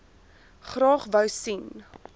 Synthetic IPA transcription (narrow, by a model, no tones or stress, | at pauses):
χrɑːχvəwsin